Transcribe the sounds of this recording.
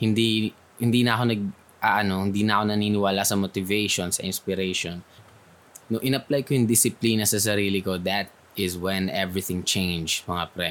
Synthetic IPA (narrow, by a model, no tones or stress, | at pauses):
hɪnd̪i | hɪnd̪iːnɐʔɐko̞nɐɡ̚ | ʔɐʔɐno̞hɪnd̪inɐʔɐko̞nɐniːnɪwaːlasɐmot̪ɪvejʃonsɐ̰ʔɪnspɪɾejʃonː | oʔɪnɐplajkojʊŋd̪ɪsɪplinɐsɐs̬ɐɾiːlɪkod̪ɐt̪̚ | ɪswɛ̃nʔɛvɹɪθɪ̃ŋt͡ʃẽjnd͡ʒmɐŋapɾɛ